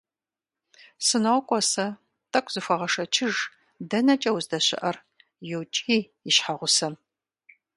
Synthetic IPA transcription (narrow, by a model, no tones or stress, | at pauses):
sɨnɐkʷʼɔsɐ | tʰʼɐkʷʼz̥ɨfʷɐʁɐʂɐt͡ʃʰɪʒ | dɐnɐt͡ʃʼɐwzdɐɕɪ̰ʔɐr | jɛwt͡ʃʼiː | ɪʃħaʁʷʊsɐm